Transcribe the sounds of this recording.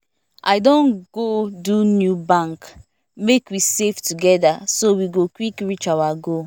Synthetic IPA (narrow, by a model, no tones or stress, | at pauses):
ʔaɪdõnɡ̥odunjubãŋk | mekwiseftuɡɛdasowiɡokwikɹit͡ʃawaɡo